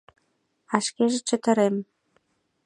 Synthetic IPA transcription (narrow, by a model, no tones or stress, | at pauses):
ɑʃkeʒĕt͡ɕə̆t̪ə̆ɾem